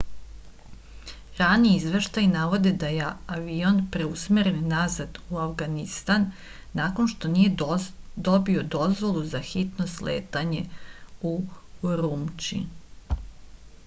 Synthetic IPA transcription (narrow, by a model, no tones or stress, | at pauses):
ɾaniizʋe̞ʃt̪ajnaʋo̞d̪e̞d̪ajeaʋionpɾe̞usmeɾenːazad̪uafɡanist̪anː | ako̞nʃt̪o̞niːje̞d̪o̞bio̞d̪o̞zʋo̞lˠuzaxit̪no̞slḛːt̪aɲe̞uɾuːmt͡ʃḭ